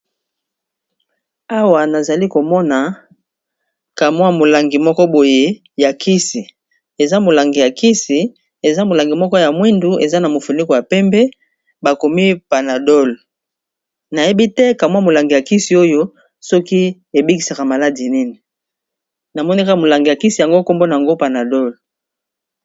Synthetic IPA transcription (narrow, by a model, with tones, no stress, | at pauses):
a˦wa˨na˨za˨li˦ko˨mɔ˦na˨ | ka˨mwa˦mo˨la˨ŋɡi˨mɔ˦kɔ˦bo˨je˦ | ja˨kʰi˦si˨ | e˨za˦mo˨la˨ŋɡi˨ja˨ki˦si˨ | e˨za˦mo˨la˨ŋɡi˨mɔ˦kɔ˦ja˨mwi˦ndu˦e˨za˦na˨mo˨fu˨ni˦ko˨ja˨pɛ˦mbɛ˦ | ba˨ko˨mi˦pa˨na˨dɔ˦l | na˨je˦bi˦tɛ˦ka˨mwa˦mo˨la˨ŋɡi˨ja˨ki˦si˨o˦jo˦ | sɔ˦ki˦ | e˨bi˦ki˨sa˨ka˨ma˨la˦di˨ni˦ni˨ | na˨mɔ˦ni˦ka˦ka˨mo˨la˨ŋɡi˨ja˨ki˦si˨ja˨ŋɡo˦ko˦mbo˦na˨a˨ŋɡo˦pa˨na˨dɔ˦l